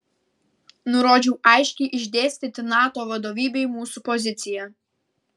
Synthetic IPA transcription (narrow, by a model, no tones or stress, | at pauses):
nʊɾoːd͡ʒʲɛʊʔɑˑɪʃʲkʲɛɪʔɪʒʲd̪ʲeːsʲt̪ʲɪt̪ʲɪnɑːt̪oːʋɐd̪oːʋʲiːbʲɛɪmuːsupɔzʲɪt̪sʲɪjɛ